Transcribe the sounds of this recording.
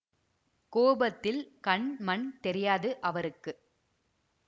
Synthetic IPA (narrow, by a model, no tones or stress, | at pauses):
koːbɐt̪ːɪlkɐɳmɐɳt̪ɛɾɪjaːðɯʔɐʋɐɾɯkːɯ